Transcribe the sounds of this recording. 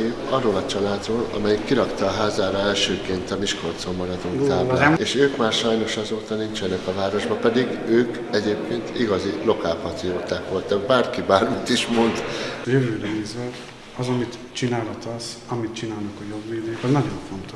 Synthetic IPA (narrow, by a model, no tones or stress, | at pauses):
ɒrːoːlɒt͡ʃɒlaːd̪roːlɒ̰mɛjikːiɾɒkt̪ɒːɦaːzaːɾɒɛlʃøːkeːnt̪ɒmiʃko̞rt̪zolmːɒɾɒd̪uŋt̪aːblaːeːʃøːkmaːrʃɒjno̞ʃɒzoːt̪ɒnint͡ʃɛnɛkɒvaːɾo̞ʒbɒpɛd̪iɡøːk | ɛɟeːp̚kʰeːnt̪iɡɒzilo̞kaːfhɒt̪ij̪oːt̪aːkʋo̞lt̪ɒɡ̚baːrkibaːrmit̪iʃmo̞nt̪jøvøːɾɛiːzɛɾ | ɒzɒmit̪ | t͡ʃinaːlɒt̪ɒzɒmit̪t͡ʃinaːlnɒkɒjo̞bveːd̪eːkɒznɒɟo̞ɱfo̞nt̪oʃ